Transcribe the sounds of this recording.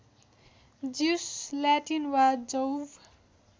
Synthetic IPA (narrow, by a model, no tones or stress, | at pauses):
d͡zislaʈinwad͡zʌwb